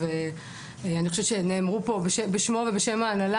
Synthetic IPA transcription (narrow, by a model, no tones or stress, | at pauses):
ve | anixoʃett͡ʃʃeneːmʁupo̞beʃebeʃmo̞ve̞beʃemaːnala